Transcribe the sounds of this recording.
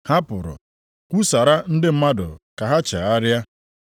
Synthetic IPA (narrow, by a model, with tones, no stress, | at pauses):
ha˦pʊ˨ɾʊ̰˨ | kʷu˦sa˨ɾa˦n̩˦dɪ˦m̩˦ma˦dʊ̰˨ka˨ɦa˦t͡ʃa˨a˦ɾja˦